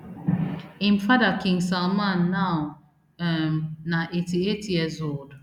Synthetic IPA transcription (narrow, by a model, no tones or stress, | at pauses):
ĩmfadakɪ̃ŋsalmãnːaʊ | mnaʔetietjiəzold